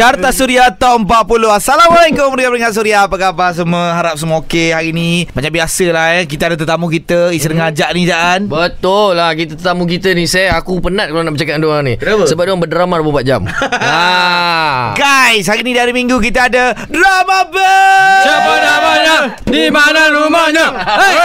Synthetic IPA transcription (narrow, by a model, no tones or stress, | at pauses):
art̪asuɾiat̪aəmpat̪̚puloasalamalakʊməɾiŋãpəɾiŋaʔ̪̚s̬uɾiapakabas̬əməɦaɾap̚səmokeɦaɾinĩbaɲãʔbiasəlahək̬it̪əadat̪ət̪amũk̬it̪əisəɾəŋad͡ʒaʔnid͡ʒaʔanbət̪ʊllakit̪ət̪ət̪amuk̬it̪ənisajakupənat̪̚kalanaʔbət͡ʃakat̪̚duaŋnisəbap̚duaŋbədəɾamaɾumapat̪̚d͡ʒa̰ma | ɡajshaɾinĩdaɾimiŋɡukit̪əada | dɾamabasapəabaɲaʔdimananrumaɲa